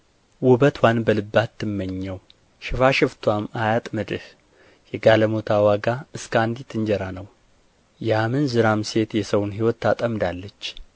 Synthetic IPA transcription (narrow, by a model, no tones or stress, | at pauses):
wɔbət̪ʰwanbəlɨbːat̪ʰːɨmːəɲːɛw | ʃɪfaʃɪft̪ʰwamajat̪ʼmɨd̪ɨh | jɛɡaləmot̪ʰawaɡaɨskʰand̪it̪ʰːɨɲd͡ʒɛɾanəw | jamɨnzɨɾamse̞t̪jɛsəwnɦiwɔt̪ːat̪ʼəmd̪alːət͡ʃː